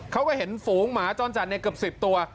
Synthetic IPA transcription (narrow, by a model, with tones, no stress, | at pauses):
kʰa˦˥wkɔː˧˥˩ɦe˩˦nfuː˨˩˦ŋmaː˩˦t͡ɕɔː˧nt͡ɕa˨˩na˧kɯ˨˩əp̚si˨˩p̚t̪u˧ɐ